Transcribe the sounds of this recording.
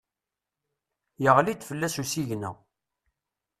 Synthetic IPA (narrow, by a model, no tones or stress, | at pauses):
jəʁlid̪fəlːæsusiʝnæ̰